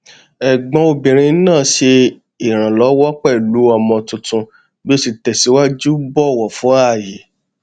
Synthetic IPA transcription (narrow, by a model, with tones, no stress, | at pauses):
ɛ˨ɡ͡bɔ̃˧˦o˧bĩ˨ɾ̃ĩ˧˦nãː˦˨ʃe˧ | i˨ɾ̃ã˨lɔ˨˦wɔ˦k͡pɛ˦˨lu˨˦ɔ˧mɔ̃˧tũ˧tũ˧ | bi˦o˦si˧tɛ˨si˨˦wa˦d͡ʒu˦bɔ˦˨wɔ˨fũ˨˦a˦˨je˨